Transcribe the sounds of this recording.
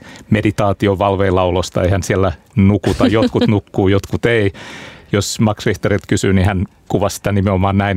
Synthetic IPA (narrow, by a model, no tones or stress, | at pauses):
medit̪ɑːt̪ioʋɑlʋeːlɑulost̪ɑ̰eihænsiælːæ | nukut̪ɑjjot̪kut̪nukːuːjot̪kut̪eijosmɑksriht̪orilt̪kysyːnihæn | kuʋɑssi̥t̪ænimeomɑːnnæin